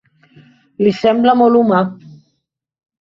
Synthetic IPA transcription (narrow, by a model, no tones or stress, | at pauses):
lisɛmbləmɔluma